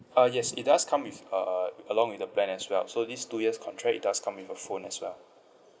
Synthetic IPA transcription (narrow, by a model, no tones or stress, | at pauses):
ʌjɛsḭt̚daskʰãmwifʌəlɔ̃ŋwiθdəplɛ̃nɛswɛ̰lsodistujiəskʰɔ̃ntʰɹɛkḭt̚daskʰãmwifəfõnɛswɛ̰l